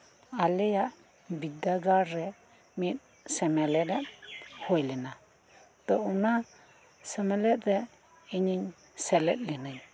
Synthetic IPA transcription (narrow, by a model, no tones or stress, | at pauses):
alɛjaʔ | bid̪aɡaɾɾɛ | mit̪̚ˀ | sɛmɛlɛɾɛt̪̚hojlɛna | t̪ɔuna | sɛmɛlɛt̪̚ɾɛ | iɲiɲ | sɛlɛ̰t̪̚ˀlɛnaj